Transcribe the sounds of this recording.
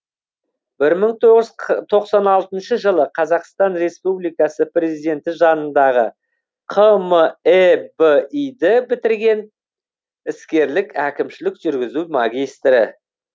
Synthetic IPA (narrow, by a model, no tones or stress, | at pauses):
b̥ɪɾməɴt̪ʰoʁəʒt̪ʰo̞qsɑnɑlˠt̪ənʃəʒəlˠəqʰɑzɑqst̪ɑnɾe̞spublijkɑsəpre̞zijd̪e̞nt̪ɪʒɑnənd̪ɑʁə | qʰəməebəijd̪ɪbɪt̪ɪɾɡʲe̞n | ɪskʲe̞ɾlɪkækʲɪmʃɪlɪkʒ̥ʏɾɡʲɪzumɑɡʲijst̪ɾɪ